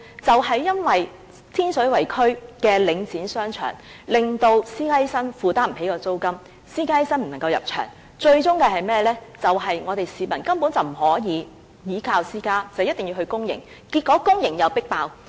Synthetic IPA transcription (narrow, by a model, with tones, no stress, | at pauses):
t͡sɐ˨wɦɐ˨jːɐ˥nwɐ˨j | t̪ʰiː˥nsɵ˨˥ɥwɐ˨˩jkʰɵ˥ɥkɛː˧lɪ˨˧ŋt͡siː˨˥nsœː˥ŋt͡ʃʰœ̰ː˨˩ŋ | lɪ˨ŋt̪o˧wsiː˥kaː˥ji˥sɐ˥nfuː˨˩t̪aː˥m̩˨˩he˨˥jkɔː˧t͡so˥wkɐ˥m | siː˥kaː˥ji˦˥sɐ˥nm̩˨˩ɐ˨ŋkɐ˧wjɐ˨p̚t͡ʃʰœ̰ː˨˩ŋ | t͡ʃɵ˧ɥt͡ʃʊ˥ŋkɛ˧hɐ˨jmɛː˥˧lɛː˥t͡sɐ˨wɦɐ˨jŋɔː˨˧t̪e˨jsiː˨˧mɐ˨˩nkɐ˥mpuː˨˥nt͡sɐ˨wm̩˨˩hɔː˨˥jiː˨˧ | jiː˨˥kʰaː˧wsiː˥kaː˥t͡sɐ˨wjɐ˥t̪̚ɪ˨ŋjiː˧wɦɵ˧ɥkʊ˥ŋjɪ̰˨˩ŋ | kiː˧t̚kːɔː˨˥kʊ˥ŋjɪ˨˩ŋjɐ˨˧wpɪ˥k̚paː˧w